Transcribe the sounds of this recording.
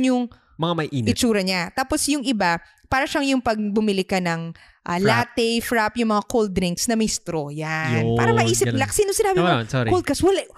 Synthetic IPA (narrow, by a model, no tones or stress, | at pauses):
ɲjʊŋ | mɐŋamɐʔiːnɪt͡ʃuːɾɐɲat̪aːposjʊŋɪba | paːɾɐʃaŋjʊŋpɐɡ̚bʊmɪlɪkɐnɐŋ | ʔalaːt̪ɛfɾapjʊŋmɐŋakold̪̚ɾɪŋksnɐmɪst̪ɾojanpaːɾɐmɐʔiːsɪlaksiːnosɪnaːbɪosoɾkold̪kɐswɐla